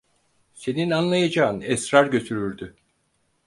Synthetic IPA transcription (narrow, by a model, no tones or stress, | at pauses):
se̞ninanlˠajad͡ʒaːɯnɛsɾaɾɟø̞t̪ʰyɾyɾd̪y